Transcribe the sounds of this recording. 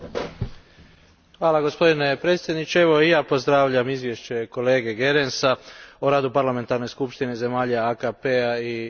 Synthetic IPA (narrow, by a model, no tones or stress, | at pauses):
xʋaːlaɡo̞spo̞d̪ine̞pɾeːt̪sʲje̞d̪nit͡ʃeeʋo̞ijaːpo̞zd̪ɾaːʋʎamizʋjeʃt͡ɕe̞ko̞le̞ːɡe̞ɡe̞ɾensaoɾaːd̪upaɾlˠame̞nt̪aɾnojskupʃt̪ineze̞maːʎaakapeai